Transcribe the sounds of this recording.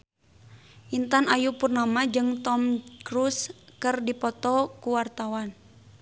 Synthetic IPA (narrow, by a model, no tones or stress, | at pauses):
ʔint̪anajupurnamad͡ʒɨŋt̪ɔmkɾuskərdipɔt̪ɔkuwart̪awan